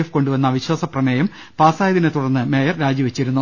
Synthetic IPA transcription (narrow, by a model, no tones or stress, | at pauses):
fko̞ɳɖuʋɐnːɐʋiɕwɐːsɐprɐmeːjɐm | paːsaːjɐðinet̪uɽɐnːɨme̞ːjɐrɾaːd͡ʑiʋet͡ɕːiɾunːu